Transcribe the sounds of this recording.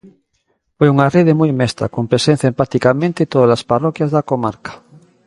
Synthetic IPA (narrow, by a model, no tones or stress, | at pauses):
fojuŋareð̞emujmest̪ɾa̰kompɾesen̟θjaempat̪ikamẽnt̪et̪oðalasparokjazðakomaɾkḁ